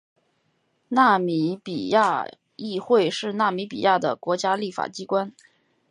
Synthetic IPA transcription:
na˥˩mi˧˥pi˨˩ja˥˧ | i˥˧xwe˥˧ɪʂɻ̩˥˧na˥˩mi˧˥pḭ˨˩ja˥˩d̪ə̰˩kwɔ˧˥t͡ɕja˥li˥˩fa̰˨˩t͡ɕi˥kwa˥n

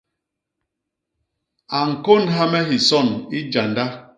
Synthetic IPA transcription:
a˨ŋ̩˨ko˦˨nɦa˦mɛ˦ɦi˨sɔ˦˨ni˦d͡ʒa˨nda˦

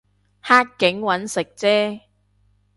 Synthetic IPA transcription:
haː˥t̚kɪ˨˥ŋwɐ˨˥nsɪ˨k̚t͡sɛː˥

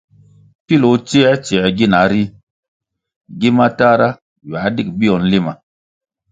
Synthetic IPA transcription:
pi˦lo˨˦t͡ʃi˦ɛ˦t͡ʃi˨ɛ˨ɡi˦na˨˦ɾi˦ | ɡi˦ma˦ta˦ɾa˦ | ja˨˦di˦k̚bi˦jɔ˨nli˦ma˨

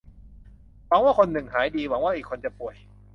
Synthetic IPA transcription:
wa˨˦ŋwaː˥˩kʰo˧nːɯ˨˩ŋhaː˩˦jdiː˧wa˩˦ŋwaː˥˩ʔiː˨˩kʰːo˧nt͡ɕa˨˩pu˨˩əj

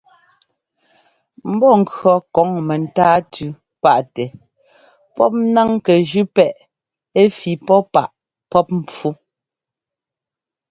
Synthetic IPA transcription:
m̩˦bɔ˦˨ŋ̩˨kɰɔ˨kɔ˨˦ŋmɛ˨n̩˨taː˦tʰʉ˨˦ | pa˦˨ʔtɛ˨ | pɔ˦p̚na˦ŋkɛ˨ʒʉ˦pɛ˦˨ʔ | e˦fi˨pɔ˦pa˦˨ʔ | pɔ˦p̚m̩˨p͡fu˦

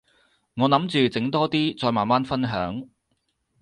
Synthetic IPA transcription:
ŋɔː˨˧nɐ˨˥mt͡ʃyː˨˧t͡sɪ˨˥ŋt̪ɔː˥t̪iː˥t͡sɔː˧jmaː˨nmaː˥nfɐ˥nɦœ̰ː˨˥ŋ

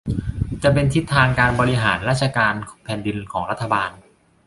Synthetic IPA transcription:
t͡ɕa˨˩pe˧nt̪ʰi˦˥t̪ʰːaː˧ŋkaː˧nbɔː˧ɾi˧ɦaː˩˦nɾaː˥˩t̪̚t͡ɕʰa˧kaː˧npʰɛː˩˦ndi˧nkʰɔː˩˦ŋɾa˦˥t̪ʰːa˧baː˧n

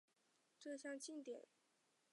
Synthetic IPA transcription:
ʈ͡ʂɤ˥˧ɕjɑ˥˧ŋt͡ɕi˥˨nt̪jɛ̰˨˩˦n

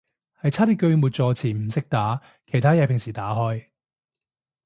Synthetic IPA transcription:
hɐ˨jt͡sʰaː˥t̪i˥kɵ˧ɥmuː˨˧t̚t͡sɔː˧t͡sʰiː˨˩m̩˨˩sɪ˥k̚t̪aː˨˥ | kʰe˨˩jt̪ʰaː˥jɐː˨˩pʰɪ˨˩ŋsiː˨˩t̪aː˨˥hɔː˥j

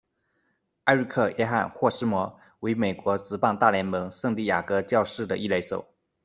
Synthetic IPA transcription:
a˥˧ɪɻ̩˥˧kʰɤ˥˩jʔɛ˥xa̰˥˩nxwɔ˥˩ʂɻ̩˥mwɔ˧˥ | we˧˥ɪme˨˩ɪkwɔ˧˥t͡sɻ̩˧˥pɑ˥˧ŋt̪a˥˩ljɛ˧˥nmɤ˧˥ŋʂɤ˥˧ŋt̪i˥˩ja̰˨˩kɤ˧˥t͡ɕjɑ˥˧ʊʂɻ̩˥˩d̪ə˩ʔi˥˩le˧˥ɪʂo̰˨˩˦ʊ

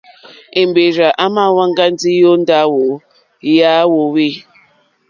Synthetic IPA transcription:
e˨m̩˨be˨ɾa˨ʔa˦ma˦˨wa˦ŋ̩˦ɡa˦n̩˦di˦o˦n̩˦da˦wo˨˦ | ja˦wo˨wi˦

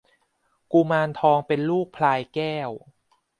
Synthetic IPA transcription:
ku˧maː˧nt̪ʰɔː˧ŋpe˧nluː˥˩k̚pʰlaː˧jkɛː˥˩w

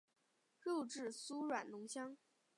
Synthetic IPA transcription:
kɤ˥˧ʊʈ͡ʂɻ̩˥˩su˥ɻwa˨˩nlʊ˧˥ŋɕjɑ˥ŋ

